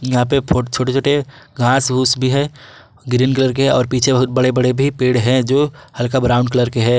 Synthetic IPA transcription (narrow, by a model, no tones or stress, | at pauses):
jɐɦãpepʰot͡ʃʰoːʈet͡ʃʰoːʈeɡʱãːsɦuːsbʱiɦɛ | ɡɾiːnkələɾkeɦɛɔːɾpiːt͡ʃʰebɐɦʊt̪̚bɐɽebɐɽebʱipeːɽɦɛ̃d͡ʒoːhɐlkabɾaːʊ̃ɳɖkɐləɾkeɦɛː